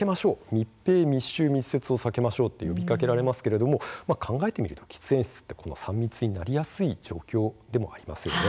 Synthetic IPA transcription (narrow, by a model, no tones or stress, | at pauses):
e̞maɕo̞ːmʲipːe̞ːmʲiɕːɨːmʲisːe̞t͡sɨo̞sake̞maɕo̞ːt̪ːe̞jo̞bʲikake̞ɾaɾe̞masɨ̥ke̞ɾe̞d̪o̞mo̞makʰãŋɡae̞t̪e̞mʲiɾɯ̟t̪o̞̥kʲi̥t͡sɨẽ̞ɰ̃ɕi̥t͡sɨ̥t̪ːe̞kʰo̞no̞̰sãmːʲit͡sɨɲ̟inaɾʲijasɨid͡ʑo̞̰ːkʲo̞ːd̪e̞mo̞aɾʲima̰sɨjo̞ne̞